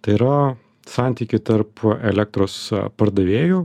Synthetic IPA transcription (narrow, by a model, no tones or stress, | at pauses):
t̪ɐɪiɾɐ | sɑːˑnʲt̪ʲiːkʲɪt̪ɐɾpɛlʲɛk̚t̪ɾoːspɐɾd̪ɐʋʲeːju